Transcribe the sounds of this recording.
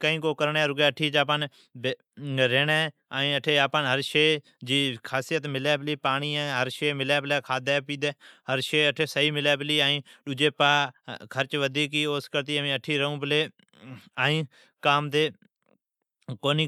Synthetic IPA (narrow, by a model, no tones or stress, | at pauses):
kəĩːkoːkəɾɳɛːɾʊɡɛːʈʰiːd͡ʒaːp̬ən | b | ɾeːnɛː | aːĩːəʈʰeːaːpənɦəɾʃeː | d͡ʒiːkʰaːsijət̪mɪlɛːbɪliːpaːɽ̃iːaːɦəɾʃeːmɪlɛːblɛːkʰaːd̪ɛːpiːd̪eːɦəɾʃeːəʈʰeːsəɦiːmɪlɛːbəliːaːĩːɗʊd͡ʒeːpaːkʰəɾt͡ʃʋəd̪iːkiːoːskəɾt̪iːəmĩːəʈʰːiːɾəũːbəleː | aːĩː | kaːmt̪eː | koːniː